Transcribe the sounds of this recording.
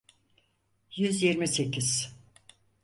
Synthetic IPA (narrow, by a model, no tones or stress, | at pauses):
jyzjiɾmise̞cʰiz̥